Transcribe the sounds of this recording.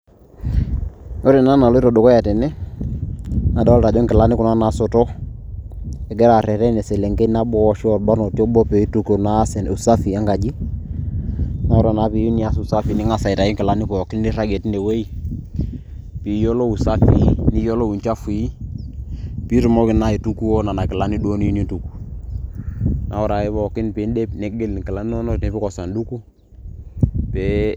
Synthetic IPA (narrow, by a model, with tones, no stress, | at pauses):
o˦ɾɛ˨na˦na˨lɔ˦i˦ɾɔ˨do˨kɔ˦jɛ˨tɛ˨nɛ˦ | na˨da˦ɔ˦lta˨d͡ʒɔ˦ŋkɪ˨la˦nɪ˦kʊ˨na˦na˨sɔ˨tɔ˦ | ɛ˨ɡɛ˦ɾa˨ɾɛ˨ɾɛ˦nɛ˨sɛ˨lɛ˨ŋɡe˦na˦bɔ˦ɔ˦ʃɔ˨tba˦nɔ˨tɔ˦bɔ˦pe˨˦tu˨ko˨naː˦sɛ˨nu˨sa˦fi˨a˦ŋɡa˨d͡ʒi˦ | na˦ɾɔ˨na˨˦pi˨ju˦nɪ˨a˦sʊ˨sa˦fi˨nɪ˦ŋa˨sa˨ɪ˨ta˨ɔ˦ŋkɪ˨la˨˦nɪ˦pɔ˨kɪ˦nɪ˦ɾa˦ɡe˨tne˨we˦i˦ | pi˨˦jɔ˦lɔ˦u˨sa˦fi˦ni˦jɔ˦lɔ˦wu˨nt͡ʃa˦fi˦ | pi˦ɾi˨mɔ˦kɪ˨na˦i˨tu˦ku˦ɔ˦na˨na˨kɪ˨la˨˦ni˦do˦ni˦ni˦tu˨ku̥˨ | nʔa˨wɔ˦ɾa˨i˦pɔ˦˨kɪ˦npɪ˨˦ndɛ˦pne˦ɡe˦lkɪ˨la˦n˦nɔ˦nɔ˦nɛ˦pɪ˦kɔ˨sa˨ndu˦ku˦ | pɛ˨˦